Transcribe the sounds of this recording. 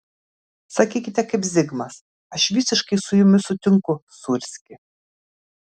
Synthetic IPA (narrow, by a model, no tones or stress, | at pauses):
sɐkʲiːkʲɪt̪ʲɛkɐɪpzʲɪɡmɐs | ɐʃʋʲisʲɪʃkɐɪsʊjʊmʲɪsʊt̪ʲɪŋkʊsʊɾʲsʲkʲɪ